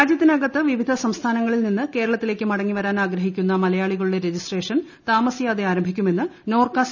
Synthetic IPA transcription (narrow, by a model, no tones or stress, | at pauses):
aːd͡ʑjɐt̪ːinɐɡɐt̪ːɨʋiʋid̪ʱɐsɐmst̪ʰaːnɐŋːɐɭilninːɨke̞ːɾɐɭɐt̪ːile̞ːkːɨmɐɽɐŋːiʋɐɾaːnaːɡɾɐɦikʲːunːɐmɐlɐjaːɭiɣɐɭuɽe̞ɾe̞d͡ʑisʈre̞ːʂɐn | t̪aːmɐsijaːd̪eaːɾɐmbʱikʲːume̞nːɨno̞ːrkaːs